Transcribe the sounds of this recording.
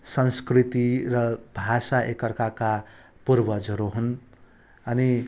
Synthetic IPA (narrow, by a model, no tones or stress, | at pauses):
sʌnskrit̪irʌbʱasaʔekʌrkaka | purbʌd͡zʌɾuɦun | ʌni